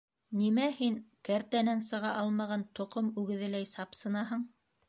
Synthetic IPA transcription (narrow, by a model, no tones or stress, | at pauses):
nimæhiŋkæɾt̪ænænsɤ̆ʁɑʔɑlˠmɑʁɑnt̪ŏqomʉɡɘ̆ðɘ̆læjsɑpsɤ̆nɑɦɤɴ